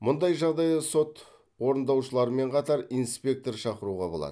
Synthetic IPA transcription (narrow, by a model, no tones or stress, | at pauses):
mʊnd̪ɑjʒɑʁd̪ɑjd̪ɑso̞t̪ | wo̞ɾənd̪ɑwʃəlˠɑɾəme̞ɴqʰɑt̪ɑɾinspʲe̞k̚t̪o̞ɾʃɑqəɾuʁɑ̰bo̞lˠɑ̰d̪ə